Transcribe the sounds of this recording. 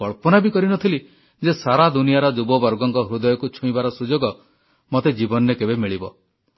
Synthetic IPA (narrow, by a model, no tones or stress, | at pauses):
kɔɭpɔnabikɔɾinɔt̪ʰili | d͡ʒesaɾad̪unijaɾɔd͡ʒubɔbɔɾɡɔŋkɔɦɾud̪ɔjɔkut͡ʃʰuibaɾɔsud͡ʒoɡɔ | mot̪ed͡ʒibɔnɔɾekebemiɭibɔ